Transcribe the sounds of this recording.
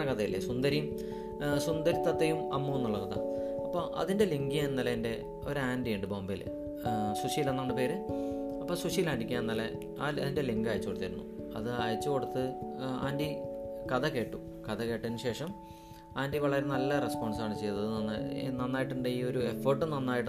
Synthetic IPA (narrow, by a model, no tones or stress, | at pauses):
ɐkɐðɐjilːḛsund̪ɐɾijum | sund̪ɐɾit̪ːɐt̪ːejumɐmːuenːuɭːɐkɐðɐ̰ɐpːoːʔɐ̰ðinde̞liŋɡijanːɐleende̞ | o̞ɾuaːndijeɳɖɨboːmbil̰ | suɕijilenːaːɳɖɨpe̞ːɾɨ | ɐpːoːsuɕijilaːndikʲːaːenːɐle | aɐðinde̞liŋɡaːjɐt͡ɕːuko̞ɽut̪ːiɾunːṵɐ̰ðɨɐjɐt͡ɕːuko̞ɽut̪ːɨa̰ːndikɐðɐke̞ːʈːu | kɐðɐke̞ːʈːenːɨɕe̞ːʂɐm | aːndiʋɐɭɐɾenɐlːɐrespoːɳsaːɳɨt͡ɕe̞jtɐɐðɨnɐnːnɐnːaːjiʈːuɳɖɨiːo̞ɾue̞foːrʈːɨnɐnːaːjiʈː